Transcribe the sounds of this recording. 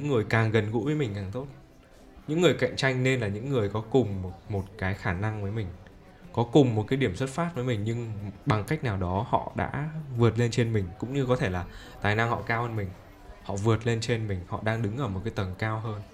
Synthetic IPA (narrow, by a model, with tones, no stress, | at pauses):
ɲɨ̰˧˥ŋːɨ˨˩əjkaː˨˩ŋɣə˨˩nɣṵ˧˥vəː˨˦jmï˨˩ŋ̟kaː˨˩ŋt̪o˦˥t̚ | ɲɨ̰˧˥ŋːɨ˨˩əjka̰˧˨jŋ̟t͡ɕa˧jŋ̟ne˧nlaː˨˩ɲɨ̰˧˥ŋːɨ˨˩əjkɔ˨˦kʊ˨˩ŋ͡mo˨˩t̚mo˨˩t̚kaː˨˦jxaː˧˩na˧ŋvəː˨˦jmï˨˩ŋ̟ | kɔ˨˦kʊ˨˩ŋ͡mmo˨˩t̚kaː˨˦jɗi˧˩əmswə˦˥t̚faː˦˥t̚vəː˨˦jmï˨˩ŋ̟ɲɨ˧ŋɓa˨˩ŋka˦˥k̟̚naː˨˩wɗɔ˨˦hɔ̰˧˨ɗa̰ː˧˥vɨ˨˩ət̚le˧nt͡ɕe˧nmï˨˩ŋ̟kʊ̰˧˥ŋ͡mɲɨ˧kɔ˨˦t̪ʰe˧˩laː˨˩ | t̪aː˨˩jna˧ŋhɔ̰˧˨kaː˧whəː˧nmï˨˩ŋ̟ | hɔ̰˧˨vɨ˨˩ə˩t̚le˧nt͡ɕe˧nmï˨˩ŋ̟hɔ̰˧˨ɗaː˧ŋɗɨ˨˦ŋʔəː˧˩mo˨˩kaː˨˦jt̪ə˨˩nkaː˧wɦəː˧n